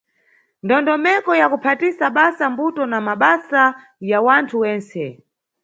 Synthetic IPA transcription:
ndɔndɔmɛkɔjakupʰatisaɓasambutɔnamaɓasa | jawantʰuwɛːnsɛ

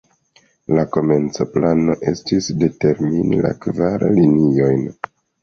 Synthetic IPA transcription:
lako̞me̞nt͡so̞plano̞ʔe̞̰stisde̞te̞ɾminḭla̰kvaɾlinio̞jn

